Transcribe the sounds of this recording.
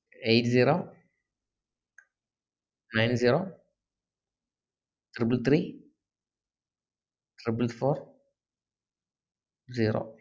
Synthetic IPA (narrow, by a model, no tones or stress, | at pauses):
ʔejt̪ziɾo | najnziɾo | t̪ʰɾibɨlt̪ɾi | t̪ɾibɨlt̪foɾ | ziɾo̰